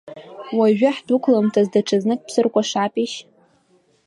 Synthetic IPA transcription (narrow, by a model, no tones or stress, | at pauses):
waʒᶣaħdukʷʰlamtʰazdaʈ͡ʂʰaznɨkʼpsɨrkʷʼaʂapʼiʃ